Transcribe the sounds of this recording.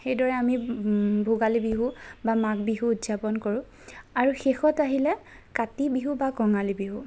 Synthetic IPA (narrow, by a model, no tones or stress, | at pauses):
xejdɔɹɛamibʱuɡalibiɦubamak̚biɦuːtzapɔnkoɹʊ̃ | aɹuxexɔtaɦilɛ | katibiɦubakɔŋalibiɦu